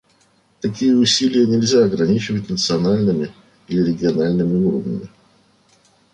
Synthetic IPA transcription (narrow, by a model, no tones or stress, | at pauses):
t̪ɐkʲijəʊsʲilʲɪjənʲɪlʲzʲaɐɡɾɐnʲit͡ɕɪvətʲnət̪sɨɐnalʲnɨmʲɪ | ilʲɪɾʲɪɡʲɪɐnalʲnɨmʲɪuɾəvnʲə̰mʲɪ